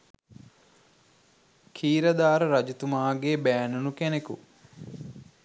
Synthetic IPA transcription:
kʰiːɾɐd̪aːɾəɾɐd͡ʒut̪umaːɡeːbæːnunukæneku

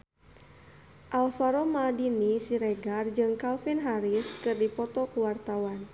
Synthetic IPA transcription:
ʔalfaɾɔmadinisiɾɛɡard͡ʒɨŋkalfinɦaɾiskɨrdipɔt̪ɔkuwart̪awan

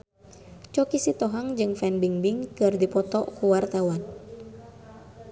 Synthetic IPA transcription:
t͡ʃɔkisit̪ɔɦaŋd͡ʒɨŋfɛnbiŋbiŋkɨrdipɔt̪ɔʔkuwart̪awan

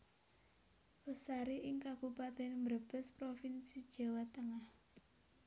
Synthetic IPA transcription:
əsaɾeʔɪŋkab̥upat̪ɛnmrb̥ə̤spɾofinsid̥ʒ̥a̤wat̪əŋah

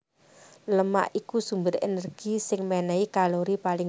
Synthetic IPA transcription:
ləma̰ʔikusumbɪɾḛnərɡ̥isɪŋmɛnɛikaloɾipalɪ

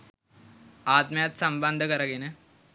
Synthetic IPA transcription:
aːt̪mjat̪səmbənd̪ʱəkəɾaɡine

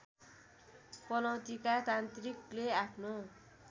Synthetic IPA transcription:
pʌnʌwt̪ikat̪ant̪rikleapʰno

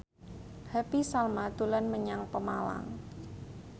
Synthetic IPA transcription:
hapisalmat̪ulanməɲaŋpəmala̰ŋ

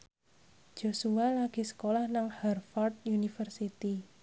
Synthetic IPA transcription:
ʒ̥o̤sualaɡ̥i̤sə̥kolahnaŋhɛrfɔrt̪̚junifərsit̪i

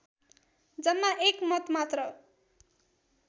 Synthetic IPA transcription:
d͡zʌmːaʔekmʌt̪mat̪rʌ

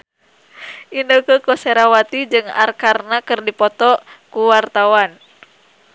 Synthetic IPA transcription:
ʔindokəkɔsɛɾawat̪id͡ʒɨŋa̰rkarnakɨrdipɔt̪ɔkuwart̪awan

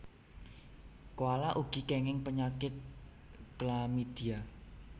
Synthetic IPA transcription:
kowalaʔuɡ̥i̤kɛŋɪŋpəɲakɪt̪̚ | klamid̪̥ia

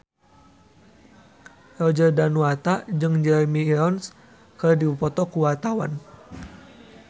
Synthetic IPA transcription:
rɔd͡ʒərdanwat̪ad͡ʒɨŋd͡ʒɛrmiːɾɔns | kɨrdiupɔt̪ɔkuwat̪awan

